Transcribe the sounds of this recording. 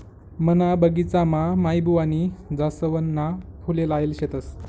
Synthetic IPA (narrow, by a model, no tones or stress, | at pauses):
mənabəɡit͡samamajbʱuʋanid͡zasəʋənːakʰulelaelɕet̪əs